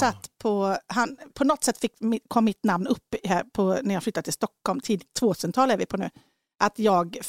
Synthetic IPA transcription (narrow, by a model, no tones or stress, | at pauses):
sat̪ːpʰɔhanpʰɔnɔt̪ːsɛt̪ːfɪkːmɪkʰɔmːɪt̪namnɵpːhæɾpʰɔnæɾjɑːɡflʏt̪ːdət̪ʰɪlst̪ɔkːhɔlmt̪ʰiːd̪t̪ʰvoːt̪ʰʉːsənt̪ʰɑːlæɾvɪpʰɔnʉ̟ː | ʔat̪jɑːɡ